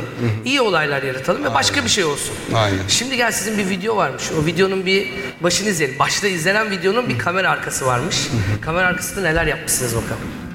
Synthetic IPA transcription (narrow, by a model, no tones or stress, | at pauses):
ijio̞lˠajlˠaɾjaɾat̪ʰalˠɯmvɛbaʃkabiʃejo̞lˠsunajnæ̰ʃimd̪iɟælʲsizinbivid̪ejo̞vaɾmɯʃovid̪ejo̞nunbi | baʃɯnɯizjelʲimbaʃlˠaizlʲe̞nænvid̪ejo̞nunbikʰame̞ɾaːɾkʰasɯvaɾmɯʃkʰameɾaːɾkʰḁsɯnane̞lʲæɾjap̚masɯnɯzokʰalˠɯ